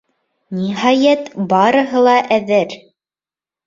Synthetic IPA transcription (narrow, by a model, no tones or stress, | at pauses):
niɦɑjæt̪bɑɾɤ̆ɦɤlˠɑʔæðɘɾ